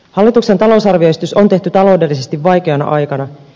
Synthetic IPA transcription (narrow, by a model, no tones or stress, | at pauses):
hɑlːit̪ukse̞nt̪ɑlo̞sɑrʋioest̪yso̞nt̪e̞ht̪yt̪ɑlo̞wde̞lːise̞st̪iʋʋɑjke̞ɑnɑ̰ʔɑjkɑnɑ